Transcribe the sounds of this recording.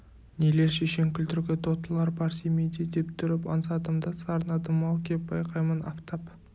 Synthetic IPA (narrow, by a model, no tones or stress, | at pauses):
nele̞ɾʃeʃe̞ŋkʲɪlt̪ɪɾɡʲɪt̪ʰo̞t̪əlˠɑɾbɑɾsemejd̪ed̪e̞pt̪ʰʏɾɪpɑ̰ns̬ɑd̪əmd̪əsɑɾənɑd̪əmːɑlˠkʲʰe̞p̚bɑjqʰɑjmənɑ̰ft̪ɑp